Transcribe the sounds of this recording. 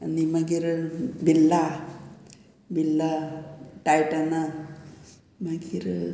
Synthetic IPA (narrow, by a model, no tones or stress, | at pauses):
animəɡiɾbʱilːa | bʱilːaʈajʈana | məɡiɾ